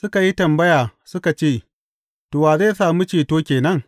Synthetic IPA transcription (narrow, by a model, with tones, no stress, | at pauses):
sʊ˦ka˨ji˦tɐ˨mbɐ˦jaː˨sʊ˦ka˨t͡ʃeː˦˨ | toː˨waː˨zeː˦˨saː˨mu˦t͡ʃeː˨toː˦kʲeː˨nɐ˦ŋ